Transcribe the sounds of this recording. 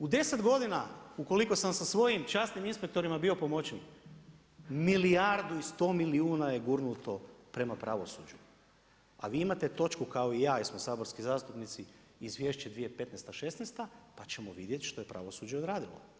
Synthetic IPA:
ud̪e̞se̞d̪ɡo̞d̪inauko̞liko̞samsasʋo̞jimt͡ʃast̪niminspek̚t̪o̞ɾimabiopo̞mo̞t͡ɕen | milijaɾd̪uist̪o̞ːmiliuːnajeɡuɾnut̪o̞pɾe̞mapɾʔaʋo̞sud͡ʑu | a̰ʋiːimat̪e̞t̪o̞t͡ʃkukao̞ijaːismosaːbo̞ɾskizaːst̪upnit̪si | izʋje̞ːʃt͡ɕed̪ʋijepe̞t̪nest̪aʃe̞snest̪apat͡ɕe̞mo̞ʋid̪je̞t̪ʃt̪o̞je̞pɾa̰ʋo̞sud͡ʑeod̪ɾaːd̪ilˠo̞̰

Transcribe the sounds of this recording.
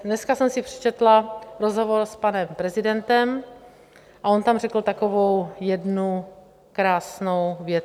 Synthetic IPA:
dnɛskasɛmsɪpr̝̥ɛ̥t͡ʃɛt̪laɾozɦovoɾspanɛmpɾɛzɪdɛnt̪ɛm | ʔaʔo̞nt̪amrɛkl̩t̪ako̞vo̞wjɛdnu | kɾaːsno̞wvjɛt̪

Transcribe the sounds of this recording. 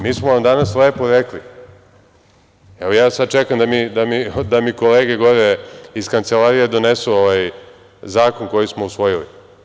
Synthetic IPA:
miːsmoʋamd̪anasle̞ːpoɾekli | eojaːsad̪̚t͡ʃekamd̪amid̪amid̪amiko̞leːɡe̞ɡo̞ɾeiskant̪selaɾije̞d̪o̞nesuoʋaj | zaːko̞nko̞jismo̞usʋo̞jilḭ

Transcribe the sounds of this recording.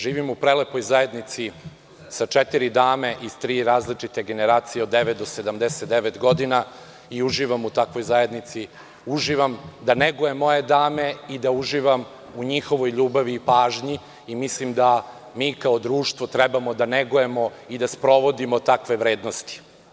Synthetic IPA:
ʒiːʋimupɾelepo̞jzaje̞d̪nit̪si | sat͡ʃet̪iɾid̪aːme̞ʔiz̥t̪ɾiːɾaːzlit͡ʃit̪e̞ɡe̞neɾaːt̪sijeo̞d̪ːeʋet̪̚d̪ose̞d̪amd̪eset̪d̪eʋet̪ɡo̞d̪ina | iuʒiːʋamut̪akʋo̞jzaje̞d̪nit̪si | uʒiʋamd̪aneɡojemo̞je̞d̪aːme̞id̪auʒiːʋam | uɲixo̞ʋo̞jʎuːbaʋiːpaːʒɲiː | mislimd̪a | miːkaod̪ɾuːʃt̪ʋo̞t̪ɾɛbamo̞d̪aneɡojemo̞ | id̪aspɾo̞ʋo̞d̪imo̞t̪akʋe̞ʋɾeːd̪nost̪i̥

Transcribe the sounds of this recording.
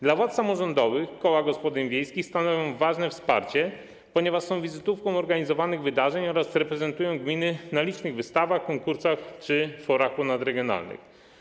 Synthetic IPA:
d̪lavwat̪samɔʐɔnd̪ɔvɘxkɔwaɡɔspɔd̪ɘɲvʲjejskʲixst̪anɔvʲjɔ̃w̃vaʐnɛfspa̰ɾt͡ɕɛ | pɔɲɛvaʂsɔ̃w̃vʲizɘt̪ufkɔ̃w̃ɔɾɡaɲizɔvanɘɣvɘd̪aʐɛɲɔɾasɾɛpɾɛzɛnt̪ujɔ̃w̃ɡmʲinɘnalʲit͡ʂnɘɣvɘst̪avaxkɔŋkuɾsaxt͡ʂɘfɔɾakunad̪ɾɛɡʲjɔna̰lnɘ̰x

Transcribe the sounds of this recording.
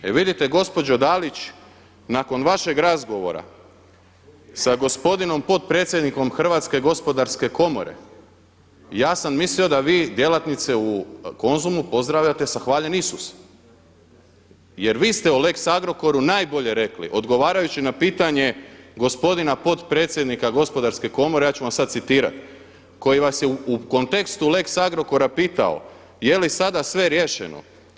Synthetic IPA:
ḛʋid̪it̪e̞ɡo̞spo̞d͡ʑod̪alit͡ɕ | nako̞nʋaʃe̞ɡɾazɡo̞ʋo̞̰ɾa̰ | saɡo̞spo̞d̪ino̞mpo̞t̪̚pɾe̞ːt̪sjed̪niko̞mxr̩ʋaːt̪ske̞ɡo̞spo̞d̪aɾske̞ko̞mo̞̰ɾe̞̰ | jaːsammislio̞d̪aʋiːd̪je̞lat̪nit̪seuko̞nzumupo̞zd̪ɾaʋʎat̪e̞saxʋaːʎe̞nisus | je̞ɾʋiːst̪eule̞ksaɡɾo̞ko̞ɾunaːjbo̞ʎe̞ɾe̞klḭʔo̞d̪ɡo̞ʋaːɾajut͡ɕinapiːt̪aɲe̞ɡo̞spo̞d̪inapo̞t̪pɾe̞ːt̪sʲjed̪nikaɡo̞spo̞d̪aɾske̞ko̞moɾejaːt͡ɕuʋamsad̪t̪sit̪iːɾa̰t̪ | ko̞jiʋasjeuuko̞nt̪ekst̪ule̞ksaɡɾo̞ko̞ɾapiːt̪a̰o̰ | je̞lisad̪asʋe̞ɾje̞ʃḛno̰

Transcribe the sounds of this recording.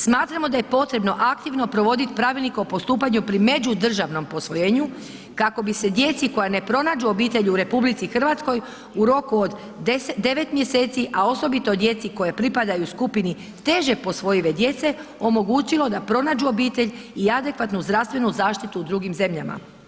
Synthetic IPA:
smaːt̪ɾamo̞d̪aje̞po̞t̪ɾe̞bno̞ʔakt̪iʋno̞pɾo̞ʋo̞d̪it̪i̥pɾaʋilnikeopo̞st̪uːpaɲupɾime̞d͡ʑud̪r̩ʒaʋno̞mpo̞sʋo̞jeːɲu | kako̞bise̞d̪je̞t̪siko̞jane̞pɾo̞naːd͡ʒuo̞biːt̪e̞ʎuɾe̞publit̪sixr̩ʋat̪sko̞j | uɾo̞kuod̪ | d̪e̞ʋe̞t̪mje̞se̞ːt̪siʔao̞so̞bit̪o̞d̪je̞t̪siko̞japɾipad̪ajuskupini | t̪e̞ʒe̞po̞sʋo̞jiʋe̞d̪je̞t̪se̞o̞mo̞ɡuːt͡ɕilo̞d̪apɾo̞naːd͡ʒuo̞biːt̪e̞ʎʲ | iad̪e̞kʋat̪nuzd̪ɾaʋst̪ʋe̞nuzaːʃt̪it̪uːd̪ɾuɡimze̞mʎama̰

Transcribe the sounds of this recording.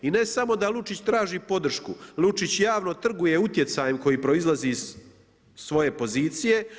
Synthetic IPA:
ine̞samo̞d̪alut͡ʂit͡ɕt̪ɾaːʒipo̞d̪r̩ʃkṵlut͡ʂit͡ɕjaːʋno̞t̪r̩ɡuje̞ut̪je̞t̪sajemko̞jipɾo̞izlˠazis | sʋo̞je̞po̞ziːt̪sije̞

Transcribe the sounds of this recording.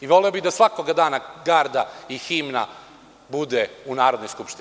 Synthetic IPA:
iʋo̞leobid̪asʋakoɡad̪aːnaɡaːɾd̪aiximna | bud̪eunaːɾo̞d̪nojskupʃt̪i

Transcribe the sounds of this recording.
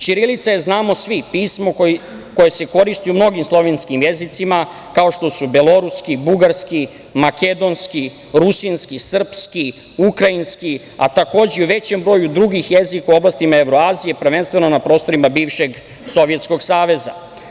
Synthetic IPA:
t͡ʃiɾilit̪sajeznaːmo̞sʋipiːsmo̞k | ko̞je̞se̞ko̞ɾist̪iumno̞ɡimslˠo̞ʋenskimje̞zit̪sima | kao̞ʃt̪o̞subelo̞ɾuskibuɡaɾski | make̞d̪o̞nski | ɾusinskisr̩pski | ukɾainski | a̰t̪ako̞ːd͡ʑeuʋe̞t͡ɕe̞mbɾo̞jud̪ɾuɡixje̞zikauo̞blast̪imae̞ʋɾo̞aːzije̞pr̩ʋenst̪ʋe̞nonapɾo̞ːst̪o̞ɾimabiːʋʃe̞ɡ | so̞ʋjet̪sko̞ɡsaːʋe̞za̰

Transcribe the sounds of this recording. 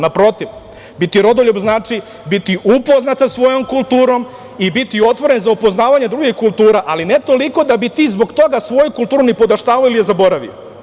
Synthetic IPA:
napɾo̞t̪iʋ | bit̪iɾo̞d̪oʎubznaːt͡ʃi | bit̪iʔupo̞znat̪sasʋo̞jo̞mkulˠt̪uːɾo̞m | ibit̪io̞t̪ʋo̞ɾe̞nzaupo̞znaːʋaɲed̪ɾuɡixkulˠt̪uːɾaʔalinet̪o̞liko̞d̪abit̪iːzbo̞ɡt̪o̞ɡasʋo̞jukulˠt̪uːɾunipo̞d̪aʃt̪aːʋailijezabo̞ɾaʋḭo̰

